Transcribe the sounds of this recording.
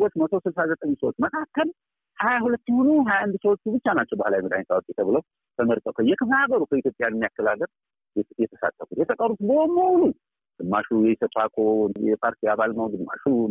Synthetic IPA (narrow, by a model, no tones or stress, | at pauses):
wot͡ʃːmət̪ʰosɨlsazət̪ʼəɲːsəwot͡ʃːməkʰakːəl | hajahulət̪ːhonuɦajaand̪səwot͡ʃːbɨt͡ʃːanat͡ʃːɛwbahlajməd̪ajnsawot̪ʼːjɛt̪ʰəβɨləw | t̪ʰəməɾt̪ʼəkʰəjɛkʰɨbaɡəɾukʰəit̪jo̞pʼjanɛmːijakːəlaɡəɾ | jɛt̪ʰə̥sa̰t̪ʰːəfut̪jɛt̪ʰəkʼəɾut̪bəomolu | d̪̥ɨmːaʃujɛjsəfakʰojɛpʰaɾt̪ʰiaβalnəwd̪ɨmːa̰ʃu